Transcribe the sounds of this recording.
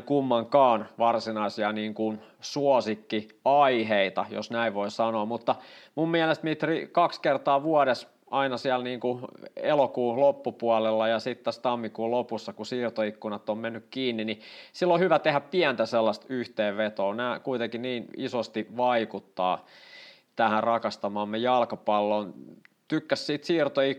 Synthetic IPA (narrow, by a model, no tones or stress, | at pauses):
kumːɑŋkɑːnʋɑrsinɑisiɑniːŋkunsuosikːi | ɑiheit̪ɑ̰jo̰snæiʋʋoisɑnoːmut̪ːɑmummiælest̪mit̪rikɑkskert̪ɑːʋuɑɾes | ʔɑinɑsiælniːŋkuelokuːlopːupuɑlelːɑjɑsit̪t̪ːæst̪ɑmːikuːlopusːɑkusiːrt̪oikːunɑt̪ːommenːykkiːnːinisilːohyʋæt̪ehæppiænt̪æselːɑst̪yht̪eːʋʋet̪oːnæːkuit̪eŋkiniːnisost̪iʋɑikut̪ːɑ̰ː | t̪æhærɑkɑst̪ɑmɑːmːejɑlkɑpɑlːoːnt̪ykːæssiːt̪siːrt̪oik